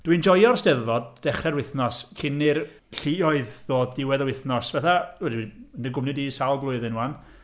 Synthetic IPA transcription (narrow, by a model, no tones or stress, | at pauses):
d̥wind͡ʒɔjɔrsdɛðvɔd̚d̥ɛχɛɾwɪθnɔskʰɪnɪr | ɬiɔɨððoːdːɪwɛðəwɪθnɔsvɛθaɛɾiəndəɡʊmnɨdisalˠblˠʊɨðɛnuan